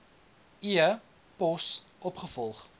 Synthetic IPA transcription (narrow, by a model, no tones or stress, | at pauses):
iə | pɔsʔɔpχəfɔlˠχ